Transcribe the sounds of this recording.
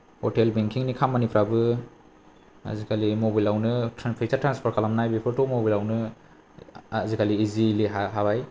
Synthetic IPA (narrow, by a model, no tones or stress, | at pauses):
hɔtelbeŋkʰiŋnikʰamːanipʰɾabɯ | a̰zikʰalimobilawnɯtʰɾanpʰajsaɾtɾanspʰɔɾkʰalamnajbipʰɯɾtɔmobilawnɯ | zikaliːziliɦaɦabaj